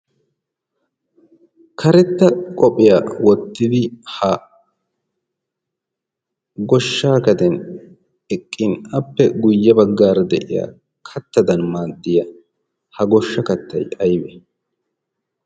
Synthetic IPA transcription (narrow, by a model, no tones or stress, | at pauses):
kʰɐɾɛt̪ːɐkʼɔpʼɪjaːwɔt̪ːɪd̪ɪhɐ | ɡɔʃːaːkɐd̪ɛn | ɛkʼːɪnɐpːɛɡʊjːɐbɐɡːaːɾɐd̪ɛʔɪ̰ja̰ː | kʰɐt̪ːɐd̪ɐnmaːd̪ːɪjɐ | hɐɡɔʃːɐkɐt̪ːɐjɐjbɛ